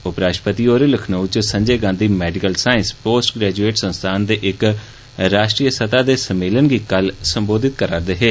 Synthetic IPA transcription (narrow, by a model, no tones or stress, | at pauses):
ʊpɾaːʃpət̪iːoːɾeːləkʰnəut͡ʃsəɲd͡ʒeːɡãːnd̪iːmɛːɖɪkəlsaːɪnspoːsʈɡɾɛːd͡ʒueːʈsənst̪ʰaːnd̪eːʔɪk | ɾaːʃʈɾiːəsət̪aːd̪eːsəmeːlənɡiːkəlsəmboːd̪ɪt̪kəɾaːɾd̪eːɦeː